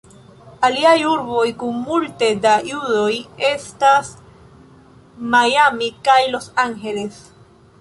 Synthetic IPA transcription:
aliajuɾbo̞jkuŋmult̪edajudoje̞st̪as | majamikajlo̞saŋxe̞les

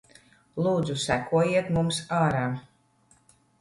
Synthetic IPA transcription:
lˠuːd̪zusækuɔjiɛt̪mumsaːɾaː

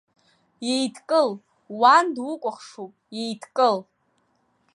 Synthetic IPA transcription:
jejtʰkʼɨl | wandwʊkʷʼʊχʂupʼjejtʰkʼɨl

